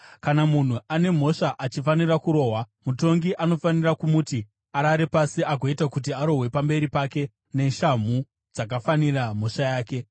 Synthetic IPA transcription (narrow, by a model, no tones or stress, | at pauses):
kanamun̤uʔane̞m̤o̞ʂaʔat͡ʃifanirakuɾo̞ːɦwa | muto̞ŋɡiʔano̞fanirakumuti | aɾaɾe̞pasiʔaɡʱo̞itakut̬iaɾo̞ɦwe̞pambe̞ɾipake̞ | ne̞ʃam̤u | d͡zakafaniram̤o̞ʂajaːke̞